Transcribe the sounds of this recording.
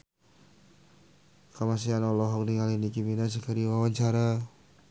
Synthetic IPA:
kəmasianɔlɔɦɔk̚niŋalinikiminasəkəɾiwawaɲt͡ʃaɾa

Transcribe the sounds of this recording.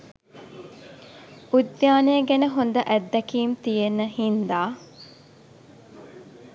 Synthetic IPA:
ud̪jaːnejəɡænəɦond̪əʔæd̪ːɛkiːmt̪ijenːəhind̪aː

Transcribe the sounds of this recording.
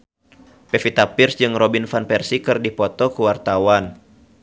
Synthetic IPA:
pɛfit̪apirsd͡ʒɨŋrɔbinfanpɛrsikɨrdipɔt̪ɔkuwart̪awan

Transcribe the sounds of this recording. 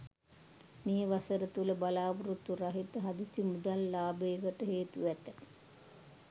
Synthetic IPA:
meeʋasəɾət̪uləbalaːʋuɾut̪ːuɾaɦit̪əɦad̪isimud̪alːaːbeːɡəʈəɦeːt̪uʋæt̪ə

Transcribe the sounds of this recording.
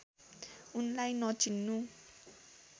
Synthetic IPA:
unlajnɔd̥ʒ̥inu

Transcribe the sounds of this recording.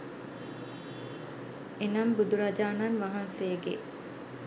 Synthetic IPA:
enɐmbud̪uɾɐd͡ʒaːnanʋaɦansejːɡḛ

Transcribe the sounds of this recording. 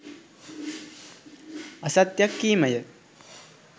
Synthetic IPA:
ɐsɐt̪jɐkːiːmɐjə

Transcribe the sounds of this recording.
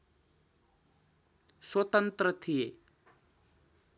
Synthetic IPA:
swʌt̪ʌnt̪rʌt̪ʰije

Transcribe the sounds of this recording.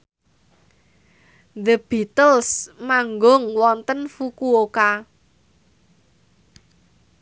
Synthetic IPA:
d̪əb̥i̤t̪əlsmaŋɡʊŋwɔnt̪ənfukuoka

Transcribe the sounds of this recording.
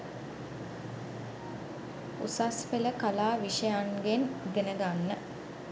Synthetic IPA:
usasfeləkalaːʋiʃəjaŋɡenɡenəɡanːə

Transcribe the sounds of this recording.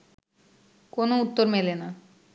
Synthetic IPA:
konout̪ːoɾmelena

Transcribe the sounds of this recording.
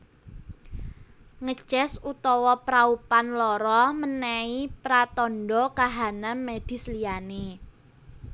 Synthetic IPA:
ŋə̥t͡ʃɛsut̪ɔwɔpɾaupanlɔɾɔmənɛipɾat̪ɔnɖɔkaɦanamːed̥i̤sliane

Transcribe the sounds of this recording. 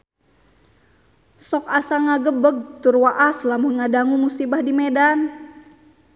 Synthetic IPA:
sɔkasaŋaɡəbəɡ̚t̪urwaʔaslamunŋadaŋumusibahdimedan

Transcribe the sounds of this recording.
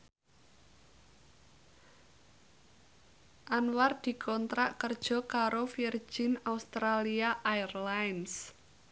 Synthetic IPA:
ʔanward̪̥i̤kɔnt̪ɾaʔkərd̥ʒ̥ɔ̤kaɾofir̥d͡ʒ̥ɪnaust̪ɾaliaʔajərlajns

